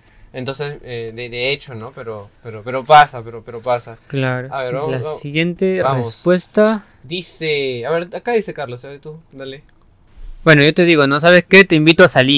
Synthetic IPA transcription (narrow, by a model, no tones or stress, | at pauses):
ent̪o̞nsesed̪ed̪eet͡ʃonopeɾopeɾopeɾopasapeɾopeɾopasaklaɾoaβeɾalasiɣje̞nt̪erespwe̞st̪a | d̪iseaβeɾakaðisekaɾlosaβet̪ud̪ale | bwe̞no̞ʝo̞t̪e̞ðiɣo̞nos̬aβesket̪eimbit̪oasali